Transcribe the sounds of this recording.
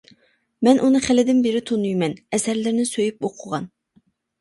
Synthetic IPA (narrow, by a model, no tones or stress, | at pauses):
mɛnʔunɨχɪlɪd̪ɪnbeɾɪt̪ʰonujmɛnɛsæɾlɪɾnɪsøjyp̚oqʰʊʁɑn